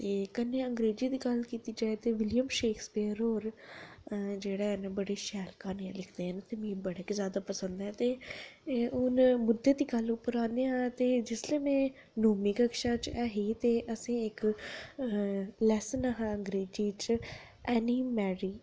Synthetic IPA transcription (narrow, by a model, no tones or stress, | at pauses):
t̪eːkəneːəŋɡɾeːd͡ʒiːd̪iːɡəlkiːt̪iːd͡ʒaːet̪eːʋɪljəmʃeːkʰspiːɾoːɾ | d͡ʒeːɽaːnãbəɽeːʃɛːlkaːneːãːlɪkʰd̪eːɦənt̪eːmĩːbəɽeːkezjaːd̪aːpəsə̃nd̪ɛ̃ːt̪eː | ʊnmʊd̪ːeːd̪iːɡəlʊpːəɾãːnd̪eãːt̪eːd͡ʒɪsleːmɛ̃ː | noːmiːkəkʃaːt͡ʃɛːɦiːt̪eːʔəsĩːɪk | lɛːsənəɦãəŋɡɾeːd͡ʒiːt͡ʃɛːniːmɛːɾiː